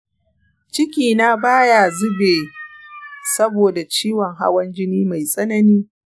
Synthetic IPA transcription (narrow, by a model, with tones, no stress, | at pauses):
t͡ʃɪ˦kʲiː˨na˦baː˦ja˨zʊ˦beː˨ | sɐ˦boː˨da˨t͡ʃiː˦wɔ˨ŋɦa̰˦wɐ˦nd͡ʒɪ˦niː˦ma˨jsʼɐ˦nɐ˦niː˦